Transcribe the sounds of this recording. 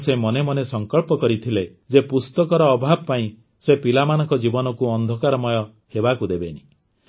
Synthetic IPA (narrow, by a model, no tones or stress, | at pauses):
semɔnemɔnesɔŋkɔɭpɔkɔɾit̪ʰile | d͡ʒepust̪ɔkɔɾɔːbʱabɔpaĩ | sepilamanɔŋkɔd͡ʒibɔnɔkuɔnd̪ʱɔkaɾɔmɔjɔ | hebakud̪ebeni